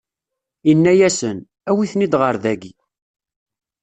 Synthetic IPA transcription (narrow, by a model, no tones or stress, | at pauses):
inːæjæsən | æwiθnid̪ʁəɾðæɡi